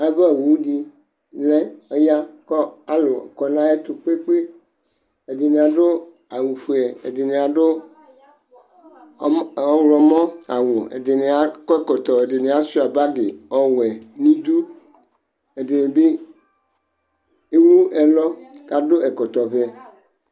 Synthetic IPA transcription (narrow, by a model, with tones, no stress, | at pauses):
a˨˦be˦e˨wu˨wu˦di˦ | lɛ˦ɔ˦ja˦kɔ˦a˨lo˨kɔ˨nã˦e˦t̪u˨k͡pe˦k͡pe˦ | e˨de˨ne˨a˨ɖo˦ | a˨wu˨fu˨˦ɛ˨ḛ˨de˨ne˨a˨ɖo˦ | ɔ˦wlɔ˨mɔ̃˦a˨wo˨ḛ˨de˨ne˨a˨kɔ˦ɛ˦˨kɔ˨t̪ɔ˨e˨de˨ne˨a˨su˦˨a˨ba˦ɡe˨ɔ˨wɛ˨nĩ˦d̪u˦ | e˨de˨ne˨be˦ | e˦wu˦ɛ˨lɔ˦ka˨do˦ɛ˨kɔ˨t̪ɔ˨vɛ˦˨